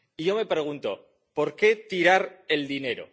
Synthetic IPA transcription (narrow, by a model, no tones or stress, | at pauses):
iʝo̞me̞pɾe̞ɣ̞unt̪o̞̰ | po̞ɾke̞t̪iɾaɾe̞ld̪ine̞ɾo̞̰